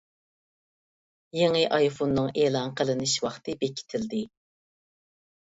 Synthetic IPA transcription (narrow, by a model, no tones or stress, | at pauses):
jeŋɨʔɑjfonːɨŋeːlˠɑŋqʰəlˠɨnɨʃwɑχt̪ʰɨbekʲʰi̥t̪ʰɪld̪ɪ